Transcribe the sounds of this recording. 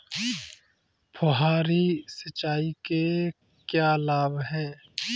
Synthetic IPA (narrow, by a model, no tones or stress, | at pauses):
pʰʊɦaːɾisɐt͡ʃːaːike | kjaːlaːbɦɛː